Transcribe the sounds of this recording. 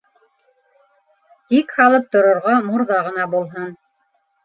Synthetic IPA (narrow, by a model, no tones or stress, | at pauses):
t̪ikhɑlˠɤp̚t̪ŏɾŏɾʁɑmuɾðɑʁɤ̆nɑbulˠɦɤn